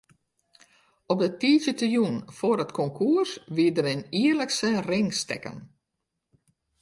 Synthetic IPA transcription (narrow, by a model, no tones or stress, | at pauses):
ɔp̚dətiːzətəjunfoːɾətkʰɔŋkʰuərsʋiədərɪniːərləksərɪŋstɛ̰kə̰n